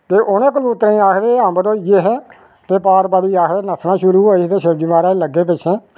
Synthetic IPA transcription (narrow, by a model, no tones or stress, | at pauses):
t̪eːʔʊnẽːkəluːt̪ːɾiːaːkʰd̪eːãːbəd̪õːjeːɦɛː | t̪eːpaːɾbaːɾiːaːkʰd̪eːnəsnãːʃʊɾuːɦoːiːst̪eːʃəɾd͡ʒimaːɾaːləɡːeːp̬ɪt͡ʃʰẽː